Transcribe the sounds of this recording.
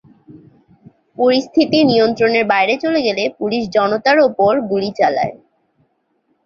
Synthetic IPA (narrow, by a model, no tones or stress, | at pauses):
poɾist̪ʰit̪inijont̪ɾoneɾbajɾet͡ɕoleɡelepuliʃ̬d͡ʑɔnot̪aɾopoɾɡulit͡ɕala̰e